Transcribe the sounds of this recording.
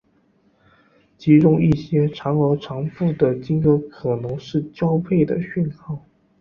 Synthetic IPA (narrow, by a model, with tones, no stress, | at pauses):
t͡ɕi˧˥ʈ͡ʂʊ˥˧ŋi˥˩ɕjɛ˥ʈ͡ʂʰɑ˧˥ŋɤ˧˥ʈ͡ʂʰɑ˧˥ŋfu˥˩d̪ə˩t͡ɕi˥nkɤ˧˥kʰɤ˨˩nɤ˧˥ŋʂɻ̩˥˩t͡ɕjɑ˥ʊpʰe˥˩ɪd̪ə̰˩ɕy˥˧nkʰɑ˥˩ʊ